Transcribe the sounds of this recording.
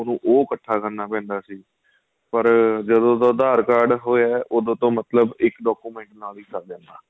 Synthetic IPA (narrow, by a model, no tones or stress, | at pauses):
ʊnũːʔoːkəʈʰːaːkəɾnaːpɛ̃ːnd̪aːsiː | pəɾd͡ʒəd̪õːd̪õːd̪aːɾkaːɾɖɦoːɛːʔoːd̪õːt̪õːmət̪ləbɪkɖɔːkuːmɛ̃ːɳʈnaːliːsaːd̪ɛ̃ːnd̪a̰ː